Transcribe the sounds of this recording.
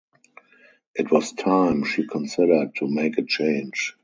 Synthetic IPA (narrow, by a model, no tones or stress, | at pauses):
ʔɪtwɔstʰãɪ̃mʃikʰɔ̃nsɪɾə˞d̚tʰːumeɪkət͡ʃẽɪ̃nd͡ʒ